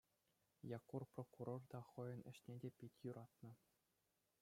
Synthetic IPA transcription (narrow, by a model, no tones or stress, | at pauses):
jɑkːurprokuɾord̪ɑχɤ̆jɤ̆nɘ̆ɕnʲedʲepʲitʲjuɾʔɑt̪nɤ̆